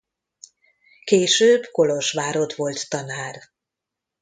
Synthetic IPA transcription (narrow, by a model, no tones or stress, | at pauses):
keːʃøːbko̞loʃʋaːɾo̞t̪ʋo̞lt̪ːɒnaːr